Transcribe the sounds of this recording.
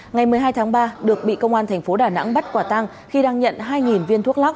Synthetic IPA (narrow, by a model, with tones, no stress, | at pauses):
ŋa˨˩jmɨ˨˩əjɦaː˧jt̪ʰaː˨˦ŋɓaː˧ɗɨ˨˩ək̚ɓḭ˧˨kə˧wŋ͡mʔaː˧nt̪ʰɛ˨˩ŋ̟fo˨˦ɗaː˧˩na̰˧˥ŋɓə˦˥t̚kwaː˧˩t̪a˧ŋ | xi˧ɗaː˧ŋɲə̰˧˨nɦaː˧jŋi˨˩nvi˧ənt̪u˦˥ək̚la˦˥